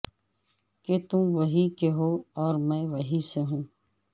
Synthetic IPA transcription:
ket̪ũʋɐɦikeɦoːɔːɾmɛ̃ːʋɐɦiseɦũː

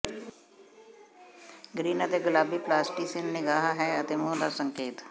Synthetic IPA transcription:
ɡɾiːnət̪eɡʊlaːbiplaːsʈisennɪɡaːɦɦɛət̪emõːd̪a̰sə̃ŋkeːt̪

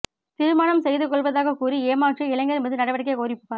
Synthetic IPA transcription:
t̪ɪɾɯmaːɳɐmsɛjðɯkːɔɭʋɐðaːɣɐkuːɾieːmaːʈriɪlɐŋɡɐɾɛmbɐðɯnɐɽɐʋɐɽɐkːekoːɾɪpːɯ̥pːaː

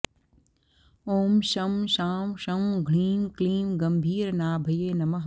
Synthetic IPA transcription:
oːmʃɐmʃaːmʃɐmɡʱɽiːmkliːmɡɐmbʱiːɾnaːbʱɐjeːnɐmɐɦ

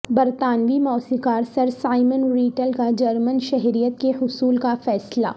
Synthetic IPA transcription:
bɐɾt̪aːnʋimɔːsikaːɾsɐɾsaːɪmənɾiːʈəlkad͡ʒɐɾmənʃɛɦɾijət̪̚kehʊsuːlkafɛːsla̰ː

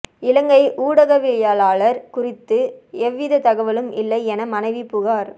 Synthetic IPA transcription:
ɪlɐŋɡɐɪʔuːɽɐɣɐʋɪɭɐjaːlaːɭɐɾkʊrɪt̪ːɯɛʋːɪðɐt̪ɐɣɐʋɐlɯmɪ̰lːɐɪɛnɐmɐnɐɪʋipʊɣaːɾ

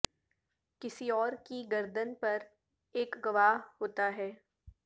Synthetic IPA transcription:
kɪsiɔːɾkiɡɐɾd̪ənpɐɾ | eːkɡɐʋaːɦhoːt̪aɦɛː

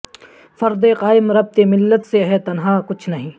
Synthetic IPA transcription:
fɐɾd̪eqaːɪmɾɐb̚t̪emɪlːət̪seɦɛt̪ɐnɦaːkʊt͡ʃʰnɐɦĩː

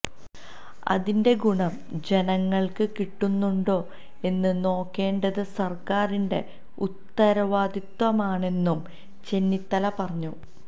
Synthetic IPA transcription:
ɐ̰ðinde̞ɡuɳɐm | d͡ʑe̞nɐŋːɐɭkɨkiʈːunːuɳɖo̞ː | e̞nːɨno̞ːkːe̞ːɳɖɐðɨsɐrkaːɾinde̞ | ut̪ːɐɾɐʋaːd̪it̪ʋɐmaːɳe̞nːum | t͡ɕe̞nːit̪ːɐlɐpɐrɐɲːu

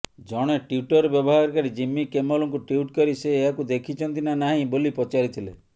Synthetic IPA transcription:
d͡ʒɔɽ̃eʈiuʈɔɾɔbjɔbɔɦaɾɔkaɾid͡ʒimːikemɔlɔŋkuʈiuʈkɔɾiseːɦakud̪ekʰit͡ʃʰɔnt̪inanaɦĩbolipɔt͡ʃaɾit̪ʰilḛ

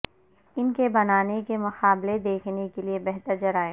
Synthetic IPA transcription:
ɪnkebɐnaːnekemɐqaːbled̪eːkʰnekeliebɛɦt̪əɾd͡ʒɐɾaːẽ

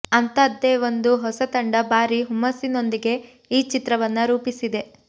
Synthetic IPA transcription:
ɐnt̪ɐd̪ːe̞ːʋo̞nd̪uɦɔsɐt̪ɐɳɖɐbaːɾiɦumɐsino̞nd̪iɡe̞ | iːt͡ʃit̪ɾɐʋɐnːɐɾuːpisid̪e̞

